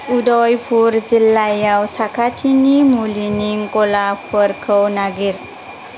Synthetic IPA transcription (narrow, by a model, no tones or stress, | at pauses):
udɔjpʰuɾzilːajawsakʰatʰinimuliniŋkɔlapʰəɾkʰəwnaɡiɾ